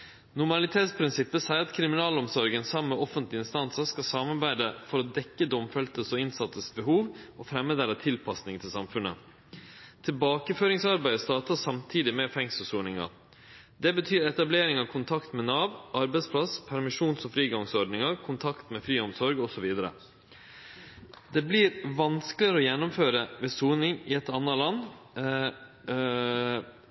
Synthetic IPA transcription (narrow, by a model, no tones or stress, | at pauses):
nʊɾmɑlɪt̪ʰeːt̪spʰɾɪnsɪpːəsæɪɾɑt̪kʰɾɪmɪnɑːlɔmsɔɾɡənsɑmːəʔɔfənt̪lɪnst̪ɑnsəskɑsɑmɑɾbæɪd̪əfɔɾɔd̪ɛkːəd̪ɔmfɛlt̪əsɔɪnsɑt̪ːəsbəɦuːʋɔfɾɛmːəd̪ɛlːət̪ʰɪlpʰɑsnɪŋt̪ʰɪlsɑmfʉnə̰ | t̪ʰɪlbɑːkəføːɾɪŋsɑɾbæɪst̪ɑːt̪ɑsɑmt̪ʰiːd̪ɪmɛfɛŋst̪əsuːɳɪŋɑ̰ | d̪ɛbət̪ʰyːɾɛt̪ɑbleːɾɪŋɑʋkʰʊnt̪ʰɑkt̪mɛnɑːʋʔɑɾbæɪspʰlɑspʰæɾmɪʂuːnsɔfɾiːɡɑŋsɔɾɖnɪŋɑɾkʰʊnt̪ʰɑkt̪mɛfɾyːɔmsɔɾɡɔsɔʋiːd̪əɾə̰ | d̪ɛblɪːɾʋɑnskəlɪɾəɔjɛnːʊmføːɾəʋɛsuːnɪŋɪɛt̪ɑnːɑlɑnː